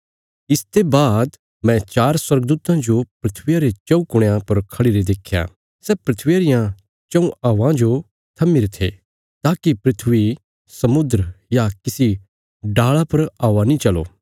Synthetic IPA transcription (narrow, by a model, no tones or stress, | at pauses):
ɪst̪ebaːd̪ | mɛ̃t͡ʃaːɾswɐɾɡd̪uːt̪ãd͡ʒopɾɪt̪ʰʋijaɾet͡ʃɐũkʊɽ̃jãpɐɾkʰɐɽiɾed̪eːkʰja̰ | sɛpɾɐt̪ʰʋijaɾɪjã | t͡ʃɐũaːʋãd͡ʒo | t̪ʰɐmːiɾet̪ʰḛː | t̪aːkipɾɪt̪ʰʋi | sɐmʊd̪ɾəjakɪsi | ɖaːɭapɐɾaːʋanĩt͡ʃɐlo̰ː